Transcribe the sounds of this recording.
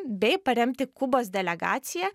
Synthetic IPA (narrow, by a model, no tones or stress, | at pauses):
bʲɛɪpɐɾʲɛmʲt̪ʲɪkʊboːsd̪ʲɛlʲɛɡɑ̰ːt̪sʲɪjɛ